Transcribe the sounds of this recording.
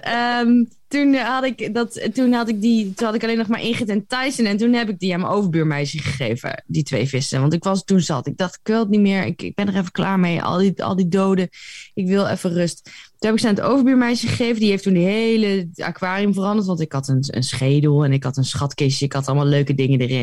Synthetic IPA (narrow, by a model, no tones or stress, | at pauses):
əm | tunɦɑtɪkdɑttunɦɑtɪk̚ditunhɑtɪkɑlejnɔχmaːɹʔɪnχətɪntɑjsənɛntunɦɛpɪɡ̚diamənowvəɹbyːɹmɛjsəχəχejvə̰ditʋejvɪsə̰ʋɑntɪkʋɑstunzɑ̰tɪɡ̚dɑχtɪkʋɪlˠətnimɪːɹɪ̰kɪ̰ɡ̚bɛndərɛfəkla̰ːɹmejɑ̰lˠdiɑ̰lˠdidowdəɪkʋɪlˠɛ̰fərɵsttunɦɛpɪksɛnəto̰wvəɹbyːɹmɛjsəχəχejvədiɦejftundəɦejləa̰kʋaːrijəmvərɑndəɹtʋɑntɪkɦɑtənə̰nsχejdəlˠɛnɪkɦɑtənsχɑtkɪsəɪkɑtɑləmalˠløɥkədɪŋədərɪ̰n